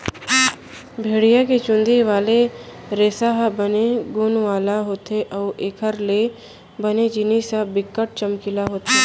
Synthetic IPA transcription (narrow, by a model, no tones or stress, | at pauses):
bʱeːɽijaket͡ʃʊ̃nd̪ʱiʋaːle | ɾeːsaɦbəneɡʊnʋaːlaɦoːt̪eʔɔːʔeːkʰəɾle | bəned͡ʒɪnisabɪkːəʈ̚t͡ʃəmkɪlaɦoːt̪e